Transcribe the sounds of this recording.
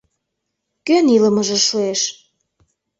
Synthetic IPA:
kønilə̆məʒĕʃueʃ

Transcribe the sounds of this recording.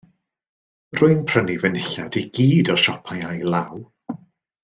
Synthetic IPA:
rʊɨnpʰr̥ənivənɪɬadiɡiːdɔʃɔpʰajajlˠaw

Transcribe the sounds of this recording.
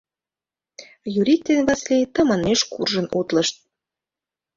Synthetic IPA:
juɾʲikt̪ːenβɑslet̪ə̆mɑneʃkṵrʒə̆nut̪ləʃt̪̚

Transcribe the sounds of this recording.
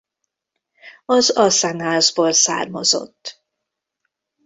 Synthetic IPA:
ɒzɒsanaːzboːlsa̰ːrmɒzo̰t̪ː

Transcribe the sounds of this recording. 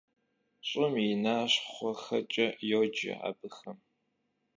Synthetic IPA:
ɕʼʊminaːɕχʷɔxɐt͡ʃʼɐjoːd͡ʒɪ̰a̰ːbɨxɐm

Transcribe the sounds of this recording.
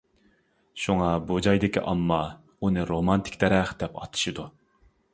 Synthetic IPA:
ʃuŋɑbud͡ʒɑjd̪ɪkʲʰḭʔɑmːɑ | unɨɾomɑnt̪ʰɪ̥kʲd̪ɛɾɛχd̪̥ɛpɑ̰t̪ʰɨ̥ʃɨd̪u

